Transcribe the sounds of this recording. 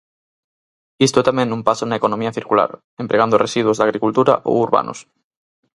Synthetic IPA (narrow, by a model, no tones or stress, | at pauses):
ist̪oet̪amẽnumpasonaekonõmiaθiɾkula̰ɾ | empɾʔeɣand̪oresiðwozðaɣɾikult̪uɾa̰ʔo̰uɾβa̰nʔo̰s